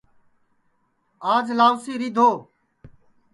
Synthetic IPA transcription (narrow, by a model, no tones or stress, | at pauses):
aːd͡ʒlaːʋsiːɾiːd̪ʱoː